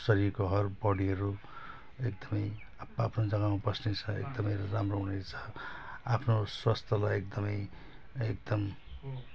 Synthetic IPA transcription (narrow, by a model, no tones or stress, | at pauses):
sʌɾirkoɦʌrbʌɽiɦʌɾu | ek̚d̪ʌmʌj | aapʰnod͡zʌɡamabʌsnet͡sʰʌḛk̚d̪ʌmʌjramroɦunet͡sʰʌ̥apʰnoswast̪ʰʌlajek̚d̪ʌmʌj | ek̚d̪ʌm